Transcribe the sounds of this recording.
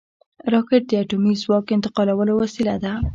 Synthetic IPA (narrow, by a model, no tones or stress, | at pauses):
ɾɑkɪʈ̚d̪əaʈumizwɑkɪnt̪ɪ̥qɑlawəlowasilad̪a